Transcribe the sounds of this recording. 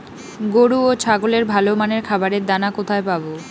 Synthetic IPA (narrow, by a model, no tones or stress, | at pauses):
ɡoɽuot͡ɕʰaɡoleɾbʱalomaneɾkʰabaɾeɾd̪anakot̪ʰaepabo